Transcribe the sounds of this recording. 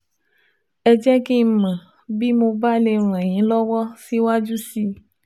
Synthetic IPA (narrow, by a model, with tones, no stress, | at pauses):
ɛ˨d͡ʒɛ˦ke˦mɛ̃˨ | bi˦mõ˨ba˦le˨l̃ɛ̃˨ɲĩ˦lɔ˦wɔ˦si˦wo˦a˦d͡ʒu˦si˦